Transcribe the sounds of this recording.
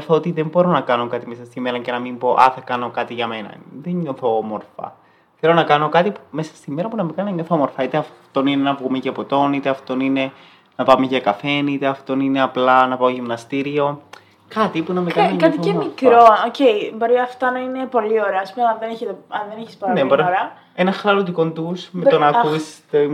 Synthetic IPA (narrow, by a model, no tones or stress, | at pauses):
θoot̪iðe̞mbo̞ɾo̞nɐkɐnokɐt̪imesɐst̪imeɾɐɲce̞nɐmimbo̞ʔɐ̰θɐkɐno̞kɐt̪iʝɐme̞nɐ̰ðeɲɲoθoomo̞ɾfɐ̰ | θelo̞nɐkɐno̞kɐt̪ipume̞sɐ̥st̪ime̞ɾɐpunɐmekɐnɐɲoθoomo̞ɾfɐit̪e̞ɐft̪o̞ninenɐvɣumeʝɐpot̪o̞nit̪e̞ɐft̪o̞nine̞ | nɐpɐmeʝɐkɐfe̞niit̪eɐft̪o̞nineɐplɐnɐpɐoʝimnɐst̪iɾio̞ | kɐt̪ipunɐmekɐniɲkɐt̪ioemifkɾooce̞jbo̞ɾiɐft̪ɐnɐine̞po̞lio̞ɾeɐːspumeɐnðeneçet̪eɐnðeniçisponlnebioɾɐoɾɐ | enɐxlɐɾot̪uko̞nd̪usmet̪onɐust̪e